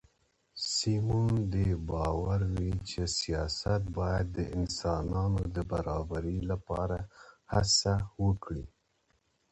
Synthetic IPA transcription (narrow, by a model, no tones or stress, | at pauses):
simund̪ebɑwaɾwit͡ʃesijɑsat̪̚bɑjad̪ːəʔɪnsɑnɑnod̪əbaɾɑbaɾilapɑɾahasawəkɽi